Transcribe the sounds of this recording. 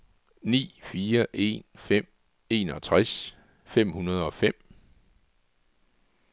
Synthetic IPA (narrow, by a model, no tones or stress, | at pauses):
nḭːfiːɐʔe̝̰nfem̰ | e̝ːnɒ̽t͡sʰʁas | fem̰hunɐð̞̩ˠɒ̽fem̰